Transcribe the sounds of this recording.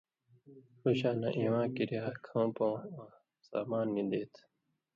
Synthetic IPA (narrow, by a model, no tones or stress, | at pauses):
huɕaːnãʔĩːwãːkiɾiaːkʰõːpõːã | sa̰ːmaːnːĩd̪eːt̪ʰ